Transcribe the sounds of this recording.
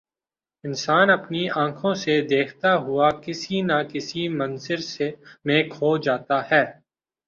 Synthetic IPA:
ɪnsaːnɐpniãːkʰõsed̪eːkʰt̪aɦʊakɪsinakɪsimɐ̃nzɪɾsemẽːkɦod͡ʒaːt̪ahɛː

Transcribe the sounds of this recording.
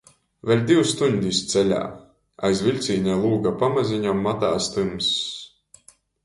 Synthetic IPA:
velʲd̪iwst̪uɲd̪ʲist̪sɛlʲa̰ː | a̰jzvʲilʲt̪siːnʲɛlˠuːɡapamaziɲamːat̪aːst̪ɨms

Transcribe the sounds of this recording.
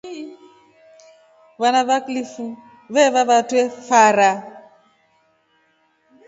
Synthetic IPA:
βanaβaklifu | βɛβaβatwɛfaɾa

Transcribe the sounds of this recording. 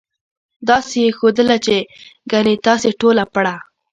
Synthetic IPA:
d̪ɑsexod̪əlat͡ʃeɡanet̪ɑseʈolapaɽa

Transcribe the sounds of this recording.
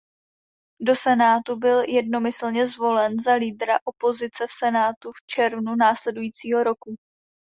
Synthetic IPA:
do̞sɛnaːt̪ubɪljɛdno̞mɪsl̩ɲɛzvo̞lɛnzaliːdɾaʔo̞po̞zɪt͡sɛfsɛnaːt̪uft͡ʃɛɾvnunaːslɛdujiːt͡siːɦo̞ɾo̞ku

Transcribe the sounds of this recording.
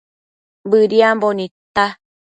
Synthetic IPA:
bɨɾiambonĩt̪a

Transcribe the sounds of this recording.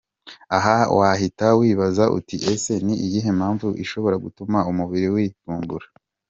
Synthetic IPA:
aɦawʔaɦitawiːβazaʔṵtiʔe̞se̞niʔijiɦe̞mhaːɱvuʔiʃo̞βo̞ɾaɡutumaumuβiɾiwiːfuːmbuɾa

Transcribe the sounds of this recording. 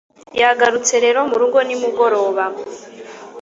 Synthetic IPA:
jaɡaɾut͡se̞ɾe̞ːɾo̞muɾuːŋɡo̞nimuɡo̞ɾo̞ːβa

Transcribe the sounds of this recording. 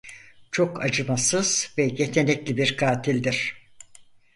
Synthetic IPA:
t͡ʃʰo̞kʰa̰d͡ʒɯmasɯz̥vɛjet̪ʰe̞nɛclʲibiɾkʰaːt̪ʰilʲd̪iɾ̥

